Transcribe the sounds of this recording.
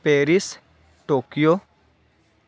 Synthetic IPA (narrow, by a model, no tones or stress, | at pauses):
peːɾis | ʈoːkijo